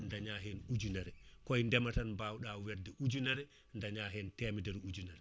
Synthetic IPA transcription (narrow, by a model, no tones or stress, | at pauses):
ndaɲaɦɛnud͡ʒunaɾɛkɔjndɛmatanbawɗawɛɾdɛʔud͡ʒunaɾɛ | ndaɲaɦɛntɛmidɛɾud͡ʒunaɾɛ